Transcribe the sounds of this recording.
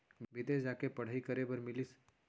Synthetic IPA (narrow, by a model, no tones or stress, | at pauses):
bɪd̪ed͡ʒakepəɽ̤aikəɾebəɾmɪlis